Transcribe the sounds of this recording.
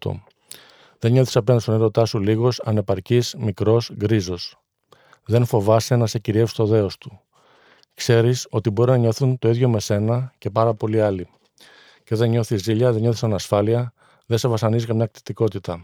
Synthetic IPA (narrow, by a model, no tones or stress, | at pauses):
t̪o̰ | ðe̞nɲo̞θi̥sɐpend̪stoniɾo̞t̪ɐsuliɣo̞sɐ̰ne̞pɐɾcizmikɾo̞sɡɾizo̞s | ðe̞nfo̞vɐse̞nɐse̞ciɾiefi̥st̪o̞ðe̞o̞st̪u̥ | kse̞ɾiso̞t̪ibo̞ɾinɐɲo̞θunt̪o̞iðʝo̞me̞se̞nɐce̞pɐɾɐpo̞liɐli | ce̞ðe̞nɲo̞θiziʎɐðe̞nɲo̞θisɐnɐsfɐliɐ | ðesevɐsɐnizikɐmɲɐkt̪i̥t̪iko̞t̪it̪ɐ